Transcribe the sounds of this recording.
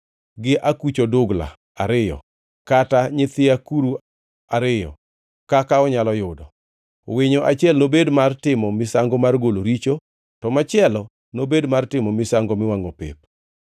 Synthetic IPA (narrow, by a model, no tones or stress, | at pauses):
ɡɪʔakut͡ʃodʊɡla̰ | aɾɪjɔ̰ | kataɲɪt̪ɪakuɾu | aɾɪjɔ̰ | kakaɔɲalɔjʊdɔ | wɪɲoʔat͡ʃɪɛlnobedmartɪmɔmɪsaŋɡɔmarɡoloɾit͡ʃo | tɔmat͡ʃɪɛlɔ | nobedmartɪmɔmɪsaŋɡɔmɪwaŋopɪ̰p̚